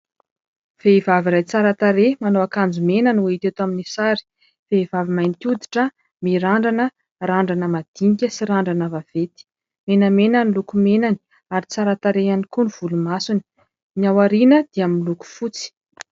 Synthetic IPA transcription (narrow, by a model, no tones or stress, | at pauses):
v̥eivavirajt͡saɾat̪aɾemanoakand͡zumenanuweit̪et̪aminisaɾi̥ | veivavimajnit̪ud̪i̥ʈ͡ʂə | miɾaɳɖ͡ʐanə | raɳɖ͡ʐanəmad̪̥iŋikʲəsiɾaɳɖ͡ʐanavav̥et̪i̥ | menəmenənilukumenani̥ | aɾit͡saɾat̪aɾeanikuniv̥ulumasuni̥ | niawaɾinəd̪̥iaminluku̥fut͡si̥